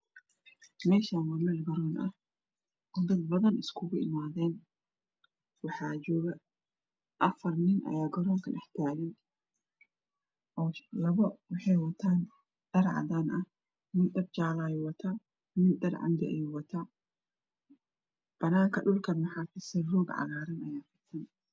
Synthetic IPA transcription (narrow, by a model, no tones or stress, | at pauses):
meːʃaːnwɐmɐlɡɐɾoːnɐ̰ | ʔʊdɪd̪bɐðɐnɪskʊɡʊɪmaːðeːn | wɐħaːd͡ʒoːɡɐ | ʔɐfɐɾnɪnʔɐ̰jaːɡɔɾɔŋkɐnʔɪħt̪ɪaːlɪn | ʔɔlɐβɐwʊħɛjwɐt̪ʰaːn | d̪̥ɐɾʕa̰d̪aːnʔɐ | mɪnd̪ɐb̚t͡ʃaːlaːjʊwɐt̪ʰaː | mɪnd̪ɐɾʕa̰nd̪ɪʔɐ̰juwɐt̪ʰaː | b̥ɐnaːŋkɐɗʊlkɐnwɐħaːfɪsɛruːɡʕa̰ɣaːɾɐnɐjaːfɪt̪ʰːɐn